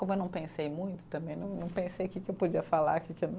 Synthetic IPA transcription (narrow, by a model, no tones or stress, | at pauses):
kõmʊewnɐ̃w̃pẽsejmũj̃t̪ʊ̥t̪ɐ̃mbẽj̃nɐ̃w̃nɐ̃w̃pẽsejʊkɪkɪewpod͡ʒiɐfala̰ɾkɪkɪewn